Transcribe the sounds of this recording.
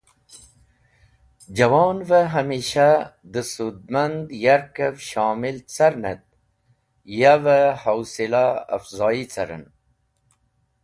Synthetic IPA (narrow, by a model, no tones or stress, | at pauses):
d͡ʑɐwɑːnvəɦamiːɕad̪əsud̪̚mand̪jaɾkəvʃɑːmilt͡sɐɾnə̰t̪̚ | javəhawsila̰ːfzɑːit͡sɐ̰ɾə̰n